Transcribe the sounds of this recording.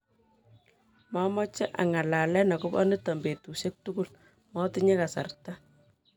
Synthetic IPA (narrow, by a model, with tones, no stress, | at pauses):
mɔ˦mɔ˦t͡ʃɛ˦ʔa̰˨ŋa˨la˨lɛ˦na˨kʊ˦bɔ̰˦nɪ˦tɔ˨mbe˨tu˨se˦k̚tuku˦l | mɔ˦tɪ˦ɲe˦ka˨sa̰˨rta˦